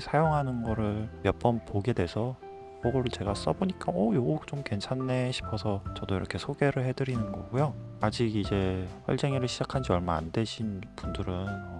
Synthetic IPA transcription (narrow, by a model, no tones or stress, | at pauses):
sʰajoŋɦanɯnɡʌɾɯɭmjʌp͈ʌnpoɡe̞dwe̞sʰʌ | poɡoɾɯɭt͡ɕe̞ɡas͈ʌboɲik͈aʌjoɡot͡ɕomke̞nt͡ɕʰanːeɕʰi̥pʰʌsʰʌt͡ɕʌdoiɾʌkʰe̞sʰoɡe̞ɾɯɭɦe̞dɯɾinɯnɡʌ̰ɡujoad͡ʑiɡid͡ʑe̞ɸʌ̰ɭd͡ʑ͈eŋiɾɯɭɕʰid͡ʑakʰand͡ʑiʌɭmaa̰nde̞ɕʰinpundɯɾɯnʌ